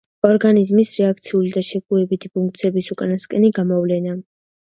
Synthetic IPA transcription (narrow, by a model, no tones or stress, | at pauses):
ɔɾɡanizmisɾɛakt̪sʰiulid̪aʃɛkʼuɛbit̪ʰi̥pʰuŋk̚ʰt̪sʰiɛbisukʼanaskʼɛniɡamɔvlɛna